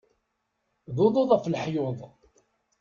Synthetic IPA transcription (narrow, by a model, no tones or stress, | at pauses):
ðʊðˤʊðˤəfləħjʊðˤ